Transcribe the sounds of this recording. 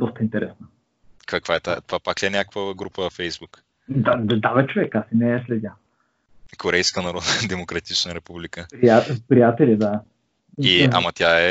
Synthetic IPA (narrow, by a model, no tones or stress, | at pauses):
d̪ɔst̪əint̪ɛɾʔɛsnə | kakv̥aɛt̪at̪ovapakliɛnʲakəkvəɡɾupəfɛjzbuk | d̪ad̪d̪avɛt͡ʃovɛkasinɛslɛd̪ʲa | kʰoɾɛjskənɐɾɔd̪d̪ɛmokɾɐt̪it͡ʃnəɾɛpublikəpɾiapɾijat̪ɛlʲid̪a | ia̰mɐt̪ʲaɛ